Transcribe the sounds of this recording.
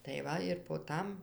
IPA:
tɐɪ ˈʋɐ ɪr poː ˈtɐm

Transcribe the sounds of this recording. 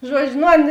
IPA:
ˈʒuɔd͡ʒʲʊ ˈnʊ ˈɐn

